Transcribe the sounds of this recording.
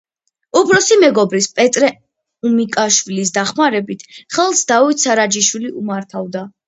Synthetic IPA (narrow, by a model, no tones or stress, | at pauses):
ubɾɔsimɛɡɔbɾispʼɛt̪ʼɾɛ | umikʼaʃwilis̬d̪aχmaɾɛbit̪ʰχɛlˠsd̪avit̪ʰsaɾad͡ʒiʃwiliʔumaɾt̪ʰavd̪a